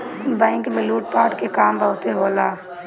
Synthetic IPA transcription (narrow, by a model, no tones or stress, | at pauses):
bãɪŋkmɪluːʈ̚paːʈkekaːmbəɦʊt̪eɦoːlaː